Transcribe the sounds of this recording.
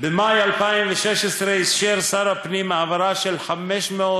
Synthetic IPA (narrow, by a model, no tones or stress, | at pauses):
bemajalpaimveʃɛʃesɾeisʃeɾsaɾapnimaʕavaɾaʃelħamɛʃmeo